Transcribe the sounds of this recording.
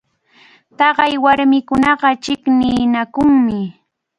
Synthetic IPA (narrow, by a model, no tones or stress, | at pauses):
t̪ɑɢɑjwaɾmɪkʊnɑɢɑt͡ʃɪknɪːnakʊŋmɪ